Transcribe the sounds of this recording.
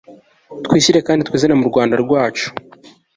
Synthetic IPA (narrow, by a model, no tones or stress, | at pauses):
t̪wiːsiɾe̞kaːndit̪wiːzenemuɾɡwaːndaɾɡwaːt͡ʃu̥